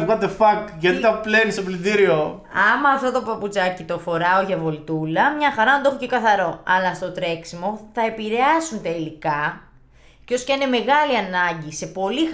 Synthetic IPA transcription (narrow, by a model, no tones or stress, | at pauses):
ɣɐd̪efɐkʝɐt̪it̪ɐplenist̪oplid̪iɾio | ɐmɐːft̪o̞t̪o̞pɐput͡sɐcit̪o̞fo̞ɾɐo̞ʝɐvo̞lt̪ulɐmɲɐxɐɾɐnɐnd̪oexocekɐθɐɾo̞ɐlɐst̪o̞t̪ɾe̞ksimo̞θɐe̞piɾe̞ɐsunt̪ɐilikɐ | co̞scineme̞ɣɐliɐnɐɲɟise̞po̞li